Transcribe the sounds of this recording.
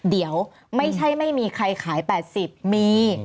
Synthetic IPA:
di˩˦əw | ma˥˩jt͡ɕʰa˥˩jma˥˩jmiː˧kʰɾa˧jkʰaː˩˦jpɛː˨˩t̪̚si˨˩p̚miː˧

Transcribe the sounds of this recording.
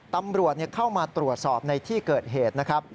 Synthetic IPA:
t̪a˧mɾu˨˩ət̪̚ni˥˩ɐkʰa˥˩wmaː˧t̪ɾu˨˩ət̪̚sɔː˨˩p̚na˧jt̪ʰiː˥˩kɤː˨˩t̪̚ɦeː˨˩t̪̚na˦˥kʰɾa˦˥p̚

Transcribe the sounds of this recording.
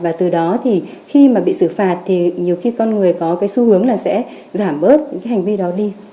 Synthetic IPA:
vaː˨˩t̪ɨ˨˩ɗɔ˨˦t̪ʰi˨˩xi˧maː˨˩ɓḭ˧˨sɨ˧˩faː˨˩t̚t̪ʰi˨˩ɲi˨˩əwxi˧kɔ˧nŋɨ˨˩əjkɔ˨˦kaː˨˦jsu˧hɨ˨˦əŋlaː˨˩sɛ̰˧˥ | zaː˧˩mɓəː˦˥t̚ɲ̰˧˥kaː˨˦ha˨˩ŋ̟vi˧ɗɔ˨˦ɗi˧

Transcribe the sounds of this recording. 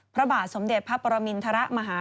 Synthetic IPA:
pʰɾa˦˧baː˨˩t̪̚so˩˦mde˨˩t̪̚pʰa˦˥pːɔː˧ɾa˧mi˧nt̪ʰa˧ɾa˦˥ʔma˧ɦaː˩˦

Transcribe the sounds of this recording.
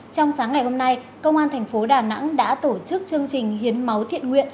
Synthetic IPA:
t͡ɕɔ˧wŋ͡msaː˨˦ŋːa˨˩jho˧mna˧j | kə˧wŋ͡mʔaː˧nt̪ʰɛ˨˩ŋ̟fo˨˦ɗaː˨˩na̰˧˥ŋɗa̰ː˧˥t̪o˧˩t͡ɕɨ˦˥k̚t͡ɕɨ˧əŋt͡ɕï˨˩ŋ̟hi˨˦ənmə˨˦wt̪ʰḭ˧˨ənŋwḭ˧˨ən

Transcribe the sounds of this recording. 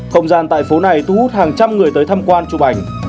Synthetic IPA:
kə̰˧wŋ͡mzaː˧nt̪a̰ː˧˨jfo˨˦na˨˩jt̪ʰu˧hu˦˥t̚haː˨˩ŋt͡ɕa˧mŋɨ˨˩əjt̪əː˨˦jt̪ʰa˧mkwaː˧nt͡ɕu˨˧˩k͡pʔa˨˩jŋ̟

